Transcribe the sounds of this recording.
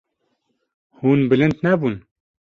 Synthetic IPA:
huːnbɨlɨnd̪nɛbuːn

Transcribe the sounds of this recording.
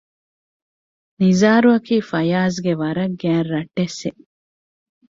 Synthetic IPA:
nizaːɾuɐkiːfɐjaːzɡeʋɐɾɐɡæːɾɾɐʈːesːe

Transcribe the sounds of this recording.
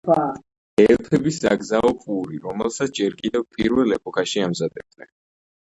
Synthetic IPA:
a | ɛlt̪ʰɛbisa̰ɡzaɔpʼuɾiɾɔmɛlˠsat̪ʰd͡ʒɛɾkʼid̪ɛvpʼiɾvɛlɛpʼɔkʰaʃiamzad̪ɛb̚d̪nɛ̰n

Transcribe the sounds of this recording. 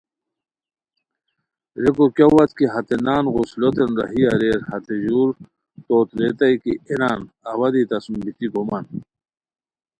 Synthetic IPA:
ɾekokjawɐt̪kiɦɐt̪enaːnɣuslot̪enɾɐ̰ɦijɐɾeːɾhɐt̪eʑuːɾ | t̪oːt̪ɾet̪ɐjkienaːn | ɐwɐd̪it̪ɐsumbit̪iɡʱumɐn

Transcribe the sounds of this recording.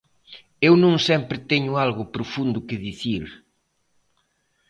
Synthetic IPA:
ewnõŋsɛmpɾɪt̪ɛɲʊalɣʊpɾʊfund̪ʊkɪðiθiɾ

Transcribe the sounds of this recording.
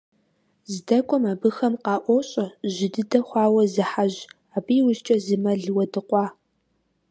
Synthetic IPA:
zdɐkʷʼɔmaːbɨxɐmqɑːʔʷɔɕʼɐʒɪdɨdɐχʷɑːwɐzɨħaʑ | aːbijwʊst͡ʃʼɐzɨmɐɮwɐdɨqʷɑː

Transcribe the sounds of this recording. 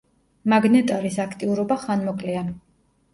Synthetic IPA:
maɡnɛt̪ʼaɾisakʰt̪ʼiuɾɔbaχanmɔkʼlɛa

